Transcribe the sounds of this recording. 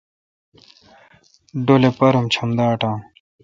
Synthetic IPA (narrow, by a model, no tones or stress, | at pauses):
ɖolepɐɾumt͡ɕʰɐmd̪aːʈãː